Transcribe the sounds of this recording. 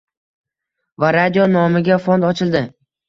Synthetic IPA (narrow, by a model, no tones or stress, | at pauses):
vaɾad̪ijonɒmɪɡʲafond̪ɒt͡ʃʰɪld̪ɪ